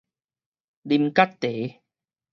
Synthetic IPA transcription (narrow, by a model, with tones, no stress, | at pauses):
di˧mka˦˥t̚t̪e˨˦